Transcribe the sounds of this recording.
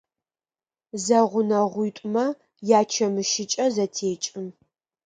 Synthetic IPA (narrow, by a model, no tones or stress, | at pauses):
zɐʁʷʊnɐʁʷʊːtʷʼmɐ | jaːt͡ʃʰɐmɨʃɪt͡ʃʼɐzɐtʰeːt͡ʃʼɪm